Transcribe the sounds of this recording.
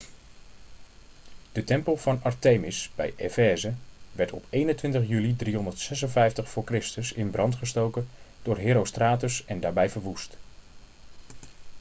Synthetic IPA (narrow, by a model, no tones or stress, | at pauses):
d̥ətɛmpəlˠv̥ɑnɑɹteːmɪsb̥ɛ̰jʔḛfɛːzəʋɛɹtɔ̰pejnəntʋɪntəχjylidriɦɔndəɹtsɛsənvɛjftəχfʊːɹkrɪstəsɪnbrɑntχəstowkənd̥ʊːɹɦeːɾowstraːtəsɛndaːɹbɛjvəɹʋust